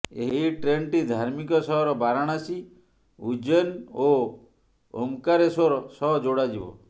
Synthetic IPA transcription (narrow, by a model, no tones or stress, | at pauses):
eɦiʈɾeɳʈid̪ʱaɾmikɔsɔɦɔɾɔbaɾaɽ̃asi | ud͡ʒɔno | omkaɾesɔɾɔsɔɦd͡ʒoɽad͡ʒibɔ̰